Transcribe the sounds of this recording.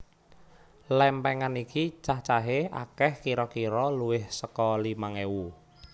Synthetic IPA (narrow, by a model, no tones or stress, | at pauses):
lɛmpɛŋanikit͡ʃaht͡ʃaɦeʔa̰kɛhkiɾɔkiɾɔluwɪhsəkɔlimaŋewu